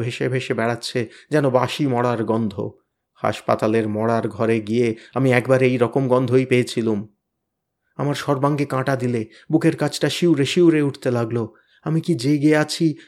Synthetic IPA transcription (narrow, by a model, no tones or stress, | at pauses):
bʱeʃebʱeʃebɛɽatːɕʰed͡ʑɛnobaʃimɔɽaɾɡɔnd̪ʱo̰ | ha̰ʃpa̰t̪aleɾmɔɽaɾɡʱɔɾeɡijeamiɛkbaɾejɾɔkomɡɔnd̪ʱojpeet͡ɕʰilum | amaɾʃɔɾbaŋɡekãʈad̪ile | bukeɾkat͡ɕʰʈaʃiwɾeʃiwɾeuʈʰt̪elaɡlo | amikid͡ʑeɡieat͡ɕʰi